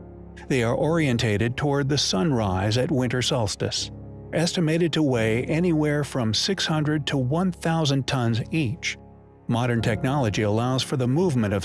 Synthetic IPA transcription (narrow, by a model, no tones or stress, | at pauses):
ðeɪə˞ʔɔɹiɨ̃ntʰeɪɾɨd̚tʰɔɹd̪̚ðɨsʌ̃nɹaɪzɨt̚wɪ̃ntə˞sʌlˠstɨ̰s | ʔɛstɨmeɪɾɨd̚tʰəweɪʔɛniwɛɹfɹʌ̃msɪkshʌ̃ndɹɨd̚tʰəwʌ̃nθaʊzɨ̃ntʰʌ̃nzit͡ʃ | mɑɾə̃˞ntʰɛk̚nɑlˠəd͡ʒiəlaʊz̥fə˞ðəmuvmɨ̃ɾ̃ʌv